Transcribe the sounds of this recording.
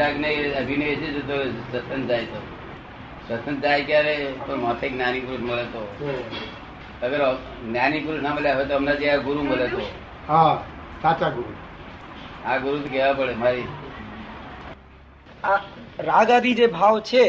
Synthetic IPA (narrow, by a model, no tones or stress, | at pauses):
aknejəbʱinəjet͡ʃʰed͡ʒet̪osəsʰənd͡ʒajt̪o | səsʰənd͡ʒajkjaɾet̪oɾmat̪ʰeknjanikuɾuʈməlet̪o | əɡəɾ | njanikuɾusnaməljaɦojt̪oɦəmnad͡ʒiaɡuɾuməlet̪o | ɦãsat͡ʃaɡuɾu | aɡuɾut̪okeʋapəɽemaɾi | aɾaɡad̪id͡ʒebʱawt͡ʃʰe